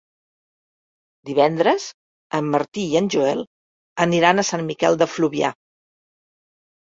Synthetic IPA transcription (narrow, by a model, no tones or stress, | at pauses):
d̪iβɛnd̪ɾəz | əmːəɾt̪iiənʲʒuɛlˠ | əniɾanəsanmikɛlˠd̪əfluβia̰